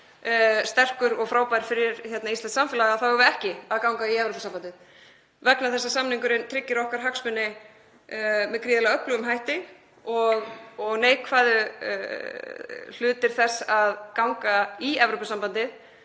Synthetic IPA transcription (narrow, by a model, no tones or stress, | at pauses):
st̪ɛr̥kʏɾɔɣfɾaːwpajɾɾ̥fɪɾɪɾçjɛt̪naist̪lɛnsamfɪlaɣaθawɛɣvɪɛhcɪaðkawŋkaiɛvɾowpsampant̪ɪð | vɛknaθɛsːasamniŋkʏɾɪnt̪ʰɾɪcːɪɾɔhkaɾ̥ɦaksmʏnːɪ | mɛðkɾiːðɪlaɣœhplʏɣʏmɦajht̪ɪ | ɔɣɔɣneːjkʰvaːðʏ | l̥ʏːt̪ɪɾ̥θɛsːaðkawŋkaiɛvɾowpʏsampant̪ɪð